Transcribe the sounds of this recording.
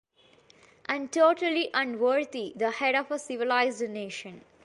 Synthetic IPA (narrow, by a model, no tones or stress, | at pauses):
ʔæ̃ɳɖʈoːʈəliʔʌ̃nɖʋəːɾd̪id̪əhɛɖɔːfəsɪʋɪlaɪzɖneːʃə̃n